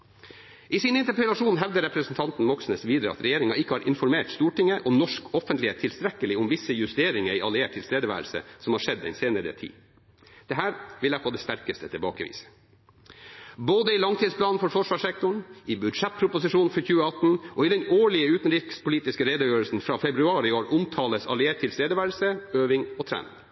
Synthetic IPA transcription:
ʔisɪnɪnt̪əɾpʰɛlɑʂuːnɦɛʋd̪əɾɛpɾəsn̩t̪ʰɑnt̪n̩mɔksnəsʋiːd̪ɾə̰ɑ̰t̪ɾɛjeːɾɪŋɑɪkːəhɑːɾʔɪnfɔɾmeːʈst̪uːʈɪŋːəʔɔmnɔʂkɔfənt̪lɪeːt̪ʰːɪlst̪ɾɛkəlɪʊmʋɪsəjʉst̪eːɾɪŋəɾɪɑlɪeːʈ̚ʰːɪlst̪eːd̪əʋæ̰ːɾəlsə̰sɔmhɑːʂɛd̪ːɛ̰nseːnəɾə̰t̪ʰḭː | d̪̥ɛɦæːɾʋɪlæɪfʰoːd̪ɛst̪æɾkəst̪ət̪ʰɪbɑ̰ːkəʋḭːsə̥ | boːd̪əɪlɑŋt̪ʰiːd̪splɑːnn̩fɔɾfɔʂʋɑːʂɛk̚t̪ʊɳɪbʉd̪ʂɛt̪̚pʰɾʊpʊsɪʂuːn̩fɔçʉːəɑt̪n̩ʔɔːɪd̪ɛnoːɭɪəʉːt̪nɾɪkspʊliːt̪ɪskəɾeːd̪əjøːɾəlsn̩fɾɑːfɛbɾʉɑːɾɪoːɾʊmt̪ʰɑːləsɑ̰lɪeːʈ̚t̪ʰːɪlst̪eːd̪əʋæːɾlsəøːʋɪŋɔːt̪ʰɾæ̰ːnɪ̰ŋ

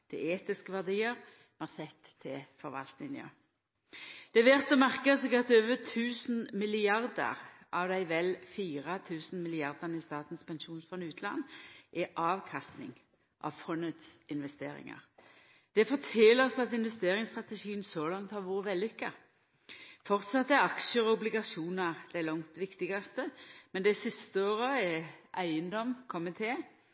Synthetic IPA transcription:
t̪ʰɪ̰eːt̪ɪskəʋæʁd̪iːəʁ | mɑʁsɛt̪ʰːɪfɔɾʋɑ̰lt̪nɪnɪø̰ | d̪̥ɛʋɛʁt̪ɔmæʁkəsɛɡɑt̪øːʋət̪ʰʉːsn̩mɪlɪɑʁd̪ə̰ʁ | ʔɑʋd̪æɪʋɛlfiːʁət̪ʰʉːsn̩mɪlɪɑʁd̪ənɪst̪ɑːt̪n̩spɛnʃuːnsfɔnʉːt̪lɑ̰nːʔɛʔɑːʋkʰɑst̪nɪ̰ŋ | ʔɑ̰ʋfɔnət̪sɪnʋɛst̪ḛːɾɪ̰ŋɑ̰ʁ | d̪̥ɛfɔt̪ʰɛːləɔsɔɑt̪ɪnʋɛst̪eːɾɪŋst̪ʁɑt̪ɛʃiːənsɔlɑŋt̪hɑʁʋuːɾəʋɛlːʏkːə | fɔʁt̪sɑt̪ːæɑkʃəɔʊblɪɡɑsuːnɑʁd̪̥æɪlɔŋt̪ʋɪkt̪ɪɡɑst̪əmɛnd̪æɪsɪst̪əoːʁəɛʔæɪənd̪ɔmkʰɔmɪt̪ʰeː

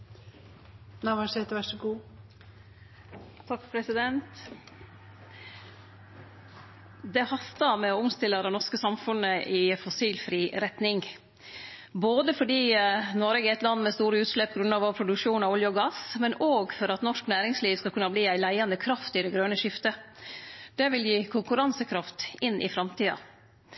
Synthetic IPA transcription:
nɑʋɑsɛt̪ʋæʂəɡuː | t̪ʰɑkpʰɾɛsɪd̪ɛnt̪ | d̪ɛhɑst̪ɑmɛɔʊmst̪ɪlːəd̪ɛnɔʂkəsɑmfʉnəʔɪfɔsiːlfɾiːɾɛt̪nɪŋ | boːd̪əfɔɖiːnoɾɛɡɛt̪lɑnːmɛst̪uːɾəʉːt̪ʂlɛpːɡɾʉnɑːʋɔpʰɾʊd̪ʉkʂuːnɑɔljəɔɡɑsmɛnoːɡfɔɾɑt̪nɔʂknæːɾɪŋsliːʋskɑlkʉnːɑbliːæɪlæɪɑnd̪əkʰɾɑft̪ɪd̪ɛɡɾøːnəʂɪft̪ə | d̪̥ɛʋɪljiːkʰʊŋkʉɾɑnsəkʰɾɑft̪ɪnːʔɪ̰fɾɑmt̪ʰiːɑ̰

